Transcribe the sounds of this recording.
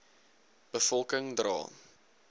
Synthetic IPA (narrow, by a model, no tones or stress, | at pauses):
b̥əfɔlˠkəŋdrɑ̰ː